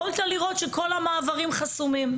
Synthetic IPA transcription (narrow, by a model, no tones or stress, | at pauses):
olt̪aliʁo̞tʃeko̞lamaːvaʁimχasumim